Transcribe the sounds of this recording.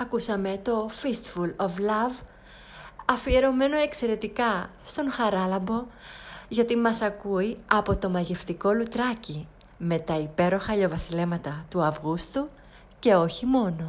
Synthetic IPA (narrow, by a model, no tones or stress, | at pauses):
ɐkusɐme̞t̪o̞fist̪fuloflɐv | ɐfie̞ɾo̞me̞no̞e̞kse̞ɾe̞t̪ikɐst̪o̞nxɐɾɐlɐmbo̞ʝɐt̪imɐsɐkuiɐpo̞t̪o̞mɐʝe̞ft̪iko̞lut̪ɾɐci | me̞t̪ɐipe̞ɾo̞xɐʎo̞vɐθile̞mɐt̪ɐt̪uɐvɣust̪u | ce̞o̞çimo̞no̞